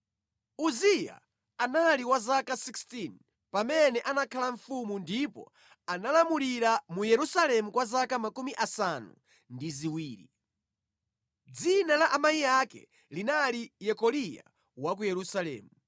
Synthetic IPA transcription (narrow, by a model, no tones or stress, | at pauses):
uzija̰ | analiwazakasikstin | pamɛnɛʔanakʰalaɱ̩fumundipɔ̰ | analamuliɾamujɛɾusalɛmukwazakamakumiʔasanṵ | ndiziwiːɾḭ | d͡zinalaʔamajijakɛ̰ | linalijɛkɔlija̰ | wak̬ujɛɾusalɛ̰ːmu